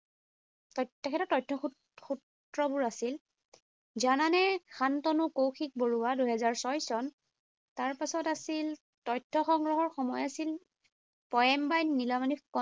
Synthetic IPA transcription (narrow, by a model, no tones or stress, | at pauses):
ɔtɛkʰɛtɔtɔjtʰːɔ | xut | ɹɔbʊɹasil | zananɛxʰantɔnukowxʰik̚boɹuwaduɦɛzaɹsɔjsɔn | taɹpasɔtasil | tɔjtʰːɔxɔŋɹɔɦɔɹxɔmɔjasil | pɔjɛmbajnilamanikɔ